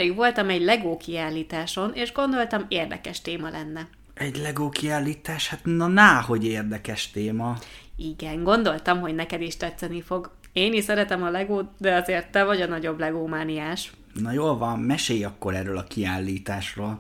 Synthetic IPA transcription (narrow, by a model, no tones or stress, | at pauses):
iɡʋo̞lt̪ɒmɛɟlɛɡoːkiaːlːiːt̪aːʃo̞neːʒɡo̞nd̪o̞lt̪ɒmeːrd̪ɛ̰kɛʃt̪eːmɒlʔɛnːɛ | ɛɟlɛɡoːkiaːlːiːt̪aːʃhat̪nɒnaːɦo̞ɟeːrd̪ɛkɛʃt̪eːmɒiɡɛŋɡo̞nd̪o̞lt̪ɒmɦo̞ɟnɛkɛd̪iʃt̪ɛt̪sɛnifo̞ɡ | eːniʃsɛɾɛt̪ɛmɒlɛɡoːd̪ɛɒzeːrt̪ːɛvɒɟɒnɒɟo̞blɛɡoːmaːniaːʃ | nɒjoːlvɒmːɛʃeːjɒkːoɾɛrølɒkiaːlːiːt̪aːʃroːl